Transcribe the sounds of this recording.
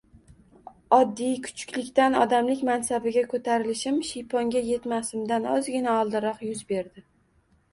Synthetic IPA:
ɒd̪ːijkʰʊ̥t͡ʃʰʊ̥kʲlɪkʲt̪anɒd̪amlɪkʲmansabɪɡʲakʰot̪ʰaɾɪlɪʃɪmʃijpʰɒŋɡʲaje̞t̪masɪmd̪anɒzɡʲɪnaɒlˠd̪ɪɾɒqjʊzbe̞ɾd̪ɪ

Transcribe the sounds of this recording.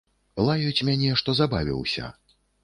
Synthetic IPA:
lˠajut͡sʲmʲanʲɛʂt̪ɔzabavʲḭwsʲɐ̰

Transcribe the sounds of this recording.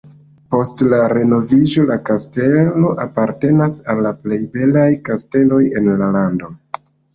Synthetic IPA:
po̞stlaɾe̞no̞vid͡ʒo̞lakaste̞lo̞ʔapaɾte̞nasalːaple̞jbe̞lajkaste̞lo̞je̞nlalando̞

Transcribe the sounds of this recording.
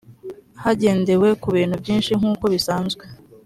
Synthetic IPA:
haɟe̞ːnde̞we̞kuβiːn̥hubɟiːnʃiŋuːko̞βisaːnzɡwe

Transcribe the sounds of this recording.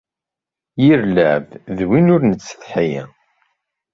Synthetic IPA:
jiɾləʕvðwinʊɾnət͡sːə̥θħijæ̰

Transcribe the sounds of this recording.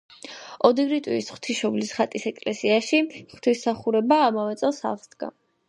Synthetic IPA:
ɔd̪iɡɾit̪ʼwiːsχwt̪ʰiʃɔblisχat̪ʼisɛkʼlɛsiaʃiχwt̪ʰisaχuɾɛbaːmavɛt̪sʼɛlˠsa̰vsd̪̥ɡa̰

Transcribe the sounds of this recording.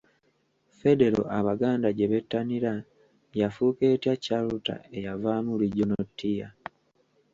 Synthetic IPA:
fe̞de̞ɾo̞̰ʔaβaɡaːndaɟe̞βe̞tːaniɾa | jafuke̞ːtjacaluta̰e̞javaːmuliɟo̞notːija

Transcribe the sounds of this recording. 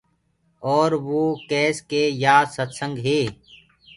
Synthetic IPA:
ɔːɾʋoːkɛːskeːjaːsət̪sə̃ŋɡɦeː

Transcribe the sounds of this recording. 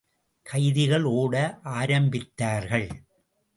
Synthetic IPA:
kʰɐɪðɪɣɐɭoːɽɐʔaːɾɐmbɪt̪ːaːɾɣɐɭ

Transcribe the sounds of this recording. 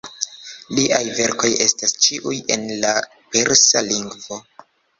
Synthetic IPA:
liʔajve̞ɾko̞je̞stast͡ʃiʔuje̞̰nla | pe̞ɾsaliŋɡvo̞

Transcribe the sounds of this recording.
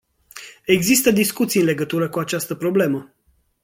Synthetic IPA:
e̞ɡzist̪əd̪iskut̪siɨnle̞ɡət̪uɾəkuat͡ʃast̪əpɾo̞ble̞mə

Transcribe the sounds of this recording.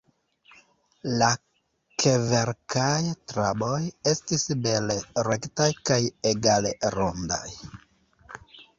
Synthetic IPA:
la | kʰeve̞ɾkajtɾabo̞je̞stisbe̞leɾe̞ktajkajeɡaleɾonda̰j

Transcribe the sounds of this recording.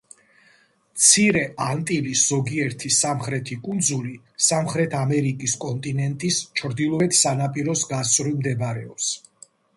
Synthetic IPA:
t̪sʰiɾɛʔant̪ʼilisz̥ɔɡiɛɾt̪ʰisamχɾɛt̪ʰikʼund̪zuli | samχɾɛt̪ʰamɛɾikʼiskʼɔnt̪ʼinɛnt̪ʼist͡ʃʰɾd̪ilˠɔɛt̪ʰsanapʼiɾɔsɡasʼɾimd̪ɛbaɾɛɔps

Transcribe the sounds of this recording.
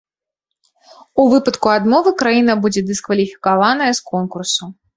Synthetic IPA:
uvɨpɐt̪kuad̪mɔvɨkɾajin̪ɐbud͡zʲɛd̪ɨskvɐlʲifʲi̥kavanɐjɛskɔnkursu

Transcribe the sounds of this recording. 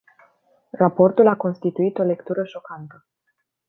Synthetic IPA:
rapo̞rt̪ulako̞nst̪it̪uit̪o̞le̞kt̪uɾəʃo̞kant̪ə

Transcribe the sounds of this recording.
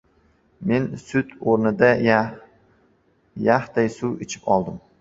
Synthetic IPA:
me̞nsʊt̪oɾnɪd̪a | jaht̪ajsuwet͡ʃʰɪ̥pɒlˠd̪ɪm

